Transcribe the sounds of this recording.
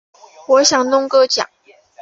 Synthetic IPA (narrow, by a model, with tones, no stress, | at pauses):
wɔ˧˥ɕjɑ˨˩ŋnʊ˥ŋkɤ˥t͡ɕjɑ̰˨˩˦ŋ